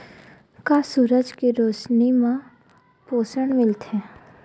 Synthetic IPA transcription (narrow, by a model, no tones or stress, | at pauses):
kaːsuːɾəd͡ʒkiɾoːt͡ʃnimã | poːsəɳmɪlt̪ɦɛ̃ː